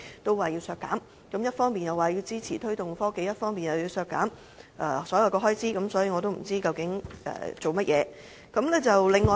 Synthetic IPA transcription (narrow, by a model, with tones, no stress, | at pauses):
t̪o˥waː˨˩jiː˧wsœː˧kːaː˨˥m | kɐ˨˥mjɐ˥t̚fɔː˥ŋpiː˨njɐ˨waː˨˩jiː˧wt͡siː˥t͡sʰiː˨˩t̪ʰɵ˥ɥt̪ʊ˨ŋfɔː˥ke˧˥jɐ˥t̚fɔː˥ŋpiː˨njɐ˨wjiː˧wsœː˧kːa̰ː˨˥m | ʔɛ̰ː˨˩sɔː˨˥jɐ˨˩wkɔː˧ɦɔː˥jt͡siː˥kɐ˨˥msɔː˨˥jiː˧ŋɔː˨˧t̪̬o˥wm̩˨˩t͡siː˥kɐ˨wkɪ˨˥ŋɛ̰ː˨t͡so˨wmɐ˥t̚jɛ̰ː˨˧ | kɐ˨˥mlɛː˥t͡sɐ˨wlɪ˨ŋːɔː˨